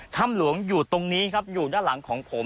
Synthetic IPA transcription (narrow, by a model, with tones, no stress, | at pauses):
t̪ʰa˥˩mlu˩˦əŋjuː˨˩t̪o˧ŋniː˦˥kʰa˦˥p̚juː˨˩daː˥˩nla˩˦ŋkʰɔː˩˦ŋpʰo˩˦m